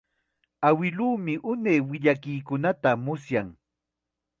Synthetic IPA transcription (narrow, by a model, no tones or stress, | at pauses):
awɪluːmɪʔʊnejwɪʎakɪjkʊnat̪amʊsjaŋ